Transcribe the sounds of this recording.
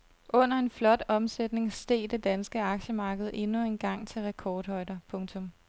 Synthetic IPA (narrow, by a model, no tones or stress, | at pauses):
ʔɔ̽n̰ɐe̝nflɒ̽d̥ɒ̽msed̥ne̝ŋsd̥e̝̰ːd̥e̝d̥ænsɡ̥əɑ̈ɡ̥ɕəmɑ̈ːɡ̥əð̞̩ˠe̝nue̝nɡ̥ɑ̈ŋ̰t͡sʰe̝lʁɛkʰɒːd̥hɒ̽ɪdɐpʰɔ̽ŋt͡sʰɔ̽m